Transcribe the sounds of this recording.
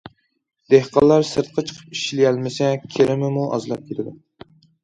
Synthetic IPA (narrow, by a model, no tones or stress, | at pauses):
d̪̥ehqɑlˠːɑɾsɨɾt̪̚qʰɑt͡ʃʰə̥qʰə̥pi̥ʃlɪjælmɪsɛkʲʰeɾɪmɪmuʔɑ̰zlˠɑp̚kʲʰet̪ʰɪd̪u